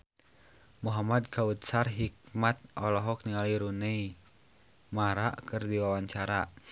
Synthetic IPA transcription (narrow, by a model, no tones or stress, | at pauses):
muɦamad̪kʰaut̪̚sarɦik̚mat̪̚ʔɔlɔɦɔk̚niŋaliɾunei | maɾaʔkɨrdiwawaɲt͡ʃaɾa